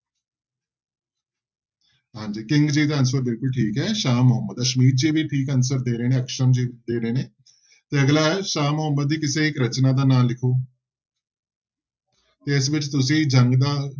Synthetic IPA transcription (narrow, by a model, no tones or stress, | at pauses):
ɦãːɲd͡ʒiːkɪ̃ŋɡd͡ʒiːd̪aːənsəɾbɪlkʊlʈʰiːkɦɛːʃaːmʊɦəmːəd̪aːʃəmiːɾ̚d͡ʒiːʋiːʈʰiːkəns̬əɾd̪eːɾeːnẽːəkʃəɾəmd͡ʒiːd̪eːɾeːneː | t̪eːəɡlaːɛːʃaːmʊɦəmːəd̪̚ːiːkɪsẽːɪkɾət͡ʃnaːd̪aːnaːlːɪkʰoː | t̪eːɪsʋɪt͡ʃt̪ʊs̬ĩːd͡ʒəŋɡd̪aː